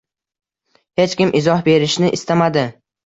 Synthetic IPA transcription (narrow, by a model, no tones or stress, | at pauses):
he̞t͡ʃkʲɪmʔɪzɒhbe̞ɾɪʃnɪʔɪst̪amad̪ɪ